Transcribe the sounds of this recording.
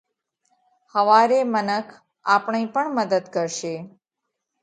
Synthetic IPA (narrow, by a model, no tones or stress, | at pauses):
həʋaɾemənəkʰ | apɳipəɳməd̪əd̪kəɾʃe